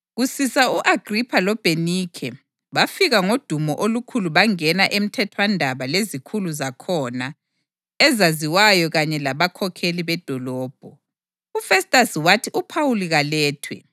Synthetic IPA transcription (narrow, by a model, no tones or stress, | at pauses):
ɣusisauʔaɡ̥ripʰalɔb̥ʱeniːkʰɛ | βafiɣaŋod̥ʱumɔʔolukʰuluβaŋɛnaʔem̩tʰɛtʰwandʱaβalezikʰuluzakʰɔna | ɛzaziwajɔɣaɲɛlaβakʰɔkʰeliβɛd̥ʱɔlɔːb̥ʱɔ | ufɛstʼaswatʰiʔupʰawuliɣalɛːtʰwɛ̰